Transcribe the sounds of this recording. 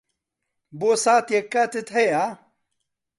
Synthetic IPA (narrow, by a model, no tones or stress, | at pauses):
boːsaːt̪jekːat̪et̪hɐja